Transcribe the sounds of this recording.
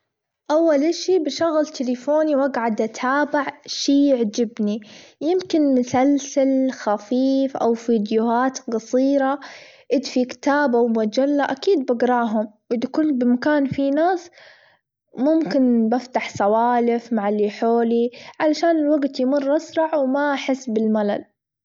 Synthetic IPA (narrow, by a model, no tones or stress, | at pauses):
ʔawːalʔaʃibɪʃʊɣlt̪ʰɪlɪfoːniwaɡʕad̪ʔat̪ʰaːbɪʕʃiːjɪʕd͡ʒɪbnijɪmkɪnmʊsalsalxafiːfʔa̰wfiːd̪jʊhaːt̪qɑsˤiːɾɑʔɪd̪fikɪ̥t̪aːbawmad͡ʒalːaʔakiːd̪̚baɡɾˤɑːɦʊmwʔɪd̪akʊnbɪmakaːnfinaːs | mʊmkɪnbaft̪aħsawaːlɪfmaʕɪlːiħoːliʕalaʃaːnɪlwaɡt̪jmʊrːʔasɾˤɑʕwmaħɪsːbɪlmala̰l